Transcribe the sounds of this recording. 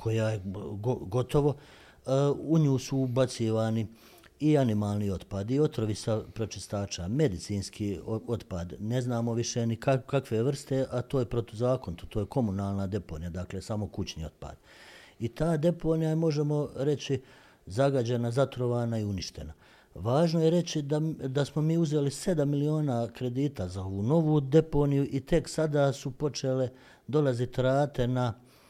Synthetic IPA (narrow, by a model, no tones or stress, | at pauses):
kʰo̞jajeɡoɡo̞t̪o̞ʋo̞ | uɲuːsubat̪siːʋaːni | ianimaːlˠnio̞d̪paːd̪io̞t̪ɾoʋisapɾo̞t͡ʃist̪aːt͡ʃame̞d̪it̪siːnskʰiːo̞t̪paːd̪ne̞znaːmo̞ʋiʃenikakakʋeʋr̩st̪e̞ʔat̪o̞ːjepɾot̪ozaːkont̪ut̪ʰoːjekʰo̞munaːlˠnad̪e̞poːnijad̪aklesamo̞kut͡ɕniːo̞̰d̪̚pa̰ːd̪ | it̪aːd̪e̞po̞ːnijaemo̞ʒe̞mo̞ɾe̞t͡ɕi | zaɡad͡ʑenazat̪ɾo̞ʋaːnaiuniʃt̪e̞na | ʋaːʒnojeɾe̞t͡ɕid̪ad̪asmo̞miːuze̞lise̞d̪amːilio̞ːnaːkɾe̞d̪iːt̪azao̞ʋuːno̞ʋuːd̪e̞ponijuʔit̪e̞ksad̪aːsupo̞t͡ʃe̞ːle̞ | d̪o̞lazit̪ɾaːt̪ena